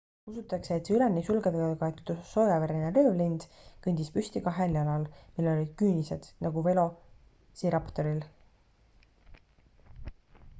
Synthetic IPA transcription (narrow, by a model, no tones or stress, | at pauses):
usut̪ːˑɑkse̞ːt̪seylenːisulɡed̪eɡ̪ɑkɑet̪t̪ːso̞ːjɑveɾineleːvlind̪̥kɤnʲd̪̥ispysʲt̪ikɑɦeljɑlɑlmilːeo̞lʲid̪̥̚kyːnise̞d̪̥nʔɑɡuve̞lo̞ | siɾɑpt̪o̞ɾil